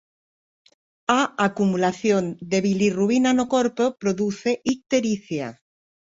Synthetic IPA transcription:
aakumulaθjond̪eβiliruinanokoɾpopɾoðuθeʔik̚t̪eɾiθja̰

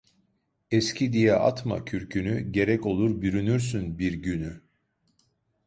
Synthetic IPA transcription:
ɛscʰid̪ijɛʔa̰t̪ma̰cʰyɾcʰynyɟe̞ɾɛco̞lˠuɾbyɾynyɾsynbiɾɟyny

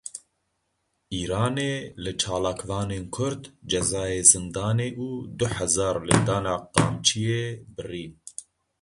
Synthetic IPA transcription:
ʔiːɾɑːneːlɨt͡ʃʰɑːlaːkvɑːneːnkʰʊɾd̪d͡ʒɛzɑːjeːzɨnd̪ɑːneːʔuːd̪ʊħɛzɑːɾlɨd̪ɑːnɑːqɑ̰ːmt͡ʃʰijeːbɨriːn

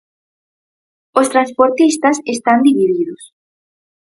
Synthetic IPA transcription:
ost̪ɾanspoɾt̪ist̪ɐsest̪and̪iβiðiðʊs

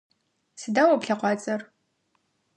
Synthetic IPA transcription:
sɨdawɐpɬaqʷɑt͡sʼɐr

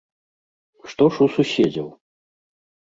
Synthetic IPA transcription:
ʂt̪ɔʂusuɕʲɛd͡zʲɐ̰w

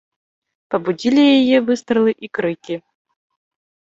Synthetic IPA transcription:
pɐbudʲilʲijɛjɛvɨst̪ɾɨlˠɨʔikɾɨkʲi

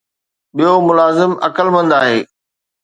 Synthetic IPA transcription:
ɓijomʊlaːzɪmɐkəlmə̃nd̪aːɦeː

